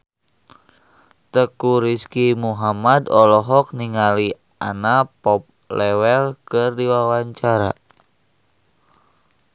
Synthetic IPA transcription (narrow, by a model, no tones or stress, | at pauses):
t̪əkuɾiskimuɦamadɔlɔɦɔk̚niŋali | a̰napɔp̚ | lɛwɛlkɨrdiwawaɲt͡ʃaɾa̰